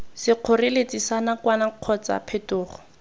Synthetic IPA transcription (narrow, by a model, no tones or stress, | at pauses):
sɪq͡χʰʊrɪlet͡sisanakwanaq͡χʰɔt͡sa̰pʰetʊːχɔ